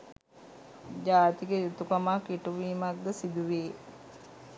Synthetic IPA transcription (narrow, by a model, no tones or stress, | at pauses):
d͡ʒaːt̪iɡejut̪ukamaːkiʈuʋiːmak̚d̪əsid̪uʋeː